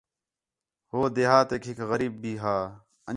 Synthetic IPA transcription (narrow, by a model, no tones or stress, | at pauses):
hoːd̪eːɦaːt̪ekʰikɣəɾiːb̚ːiːɦaː | ə